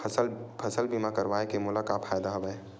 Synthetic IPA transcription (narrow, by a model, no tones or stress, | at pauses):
ɐsəlpʰɐsəlbimakɐɾʋaːekemʊlakapʰaːjd̪aɦɐbəe